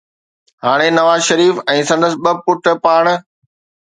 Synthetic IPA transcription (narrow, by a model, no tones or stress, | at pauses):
haːɽ̃enɐʋaːzʃɐɾiːfɛ̃ːsɐ̃nd̪əsɪɓɐpʊʈpaːɽ̃̆